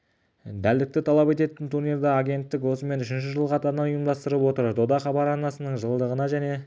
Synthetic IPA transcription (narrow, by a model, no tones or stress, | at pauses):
d̪æld̪ɪk̚t̪ɪt̪ʰɑlˠɑpe̞t̪e̞t̪ɪnt̪ʰuneɾd̪ɑaɡʲe̞nt̪ːɪkwo̞səme̞nʏʃɪnʃɪʒəlˠqʰɑt̪ɑɾənɑnujəmd̪ɑst̪əɾəpwo̞t̪əɾd̪o̞d̪ɑχɑbɑɾɑnɑsənəɴʒəlˠd̪əʁənɑʒæne̞